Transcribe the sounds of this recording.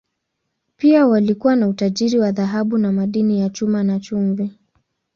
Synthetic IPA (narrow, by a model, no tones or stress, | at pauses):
piawalikuwanautaʄiɾiwaðaɦaɓunamaɗinijat͡ʃumanat͡ʃumvɛ